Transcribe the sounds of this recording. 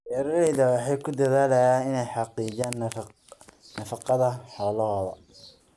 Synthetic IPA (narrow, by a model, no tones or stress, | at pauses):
ʔɛɾɛjðɐwɑħɑjkʰʊd̪ɐðaːlɛjaːnɪnɛjħɑqiːd͡ʒaːn | nɐfɑqɑðɐħɔːlɐɦɔːðɐ̰